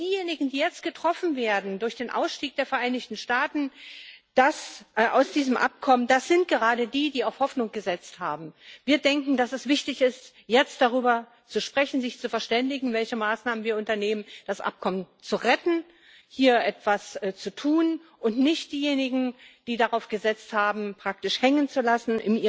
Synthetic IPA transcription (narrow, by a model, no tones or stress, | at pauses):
d̥iːjeːnɪɡŋ̩diːjɛt͡st̚ɡ̥ətʁ̥ɔfn̩veːɐdn̩dʊɐçd̥eːnʔa̰ʊsʃtiːk̚d̥eːɐfɛɐʔaɪnɪçtn̩ʃtaːtn̩d̥asʔʔa̰ʊsd̥iːzəmʔa̰p̚kʰɔməndasz̥ɪnt̚ɡ̥əʁaːdədiːdiːaʊfhɔfnʊŋɡ̥əzɛt͡sthaːbm̩viːɐdɛŋkŋ̩dasɛsv̥ɪçtɪçɪst | jɛt͡st̚d̥aʁyːbɐ | t͡suʃpʁ̥ɛçn̩zɪçt͡sufɛɐʃtɛndɪɡŋ̩vɛlçəmaːsnaːmənviːɐʔʊntɐneːmənd̥asʔa̰p̚kʰɔmən | t͡suʁɛtn̩ | hiːɐʔɛtv̥ast͡sutʰuːnʔʊntnɪçt̚d̥iːjeːnɪɡŋ̩d̥iːdaʁaʊfɡ̥əzɛt͡sthaːbm̩pʁ̥ak̚tɪʃhɛŋənt͡sulasn̩ʔɪ̰nʔiː